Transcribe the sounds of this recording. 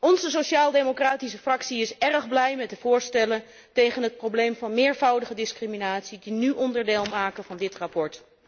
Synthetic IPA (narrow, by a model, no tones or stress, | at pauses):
ɔnzəsoʃaːlˠdemokraːtis̬əfrɑksiɪsɛrəχblɛjmɛt̚dəvʊːɹstɛlən | tejχənɦət̚prowblejmvɑnmɪːɹvʌwdəχədɪskriminaːtsidinyʔɔndəɹdeːlˠmaːkənvɑndɪtrɑpɔɹt